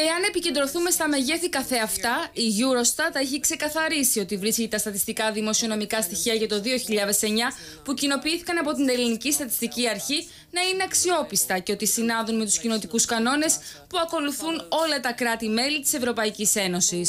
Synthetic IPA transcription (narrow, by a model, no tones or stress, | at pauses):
e̞ɐne̞pice̞nd̪ɾo̞θume̞st̪ɐme̞ʝe̞θikɐθe̞ɐft̪ɐiʝuɾo̞st̪ɐt̪ːɐeçikse̞kɐθɐɾisio̞t̪ivɾisciet̪ɐst̪ɐt̪ist̪ikɐðimo̞sio̞no̞mikɐst̪içiɐʝɐt̪o̞ðio̞çiʎɐðe̞se̞ɲɐ | pucino̞piiθikɐnɐpo̞t̪̬ind̪elinicist̪ɐt̪i̥st̪iciɐɾçi | nɐine̞ɐksio̞pist̪ɐceo̞t̪isinɐðunme̞t̪uscino̞t̪ikuskɐno̞ne̞spuɐko̞luθuno̞lɐt̪ɐkɾɐt̪ime̞lit̪i̥se̞vɾo̞pɐicise̞no̞sis